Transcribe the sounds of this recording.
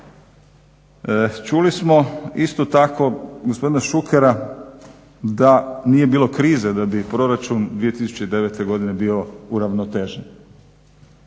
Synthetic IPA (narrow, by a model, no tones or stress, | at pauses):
t͡ʃulismo̞ist̪o̞t̪ako̞ɡospo̞d̪inaʃukʰeɾa | d̪aniːje̞biːlo̞kɾiːzed̪abipɾo̞ɾat͡ʃund̪ʋije̞t̪isu̥t͡ɕed̪e̞ʋet̪e̞ɡo̞d̪ine̞biːo̞uɾaʋnot̪eːʒen